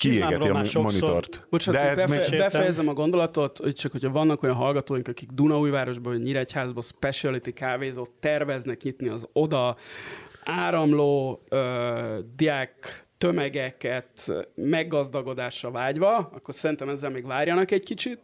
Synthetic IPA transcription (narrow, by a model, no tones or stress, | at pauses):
kiḛːɡɛ̰iɒmonit̪o̰rt̪boʃatd̪ɛɛzɛebɛfɛjɛzɛmɒɡo̞nd̪o̞lɒt̪o̞t̪tt͡ʃɒkhocʰɒvɒnːɒko̞jɒnɦɒlɡɒt̪oːjiŋkɒkiɡd̪unɒuːjvaːɾo̞ʒboːɲiɾɛchaːzbospɛʃiɛlit̪ikaːveːzot̪ːɛrvɛznɛkɲit̪niɒzo̞d̪ɒ | aːɾɒmloːød̪iakt̪ømɛɡɛkɛt̪mɛɡːɒzd̪ɒɡo̞d̪aːʃrɒvaːɟʋɒɒkːo̞rsɛɾint̪ɛmɛzːɛlmeːɡvaːrjɒnɒkɛckit͡ʃit̪̚